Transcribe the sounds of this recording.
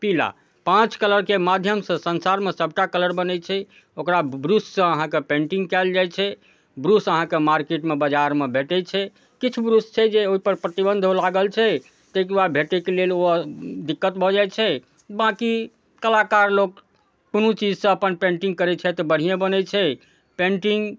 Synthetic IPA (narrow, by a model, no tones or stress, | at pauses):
pila̰ | pãt͡ʃkələɾkemad̪ʱjəmsə̃sənsaɾmesəb̚ʱʈakələɾbənɛt͡ʃʰɛ | okɾabɾussə̃əɦãkepẽɳʈĩŋɡkɛld͡ʒajt͡ʃʰɛ | bɾusəɦãkemaɾkeʈmebəd͡ʒaɾmebʱeʈɛt͡ʃʰɛ | kit͡ʃʰubɾust͡ʃʰɛd͡ʒeoɦipəɾpɾət̪ibə̃nd̪ʱolaɡəlt͡ʃʰɛ | t̪ek̬uabʱeʈɛkelelod̪ikːət̪bʱɔd͡ʒajt͡ʃʰɛ | bãki | kəlakaɾlok̚ | punut͡ʃid͡ʒsə̃əpənpẽɳʈiŋɡkəɾɛt͡ʃʰɛt̪ɔbəɽ̤ijẽbənɛt͡ʃʰɛ | pẽɳʈiŋɡ